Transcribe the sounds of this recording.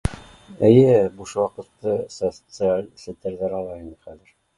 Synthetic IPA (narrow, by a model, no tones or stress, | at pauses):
ɘ̆jɘbuʃwɑqɤ̆t̪ːɤsot̪sɨalʲsŏt̪ʲeɾðæɾɑlˠɑinəχæðɘɾ